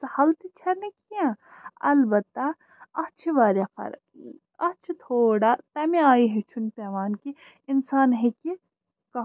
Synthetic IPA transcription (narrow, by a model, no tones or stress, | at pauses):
sɐhɐlt̪it͡ʃʰɐɾnekijãɐlbɐt̪ːɐ | ɐt͡ʃʰiʋaːɾakɐ̰ɾ | ɐt͡ʃʰit̪ʰoːɽat̪ɐmẽaːiɦet͡ʃʰunpɛʋaːnki | ɪnsaːnɦeki | kɐ